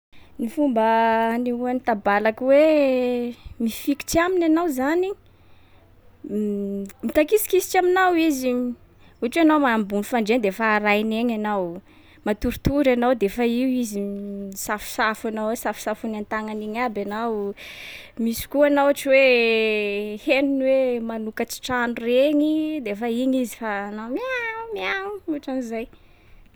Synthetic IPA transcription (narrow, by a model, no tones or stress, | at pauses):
nifumbəniuanit̪abalakwe | mifiki̥ʈ͡ʂiaminanawzani | mit̪akisi̥kisi̥ʈ͡ʂaminawizi | uaʈ͡ʂeanawmaambunifaɳɖ͡ʐend̪efaːɾajneɲanaw | mat̪uɾt̪uɾanawd̪efaiwizisafu̥safanawesafu̥safunant̪aŋaniɲabanaw | misi̥kuanawaʈ͡ʂiwe | heninwemanukat͡si̥ʈ͡ʂanureɲid̪efaiɲizi̥faːnawmiamiauuaʈ͡ʂanizaj